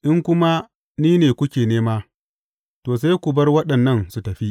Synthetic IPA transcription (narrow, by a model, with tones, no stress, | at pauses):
ʔɪ˦ŋkʷʊ˦ma˦ | niː˦neː˨kʷʊ˦kʲeː˨neː˦maː˦ | toː˨s̬a˦jkʷʊ˨bɐ˦rwɐ˦ɗɐ˨nːɐ˦˨nsu˨tɐ˨ɸi˦ʔ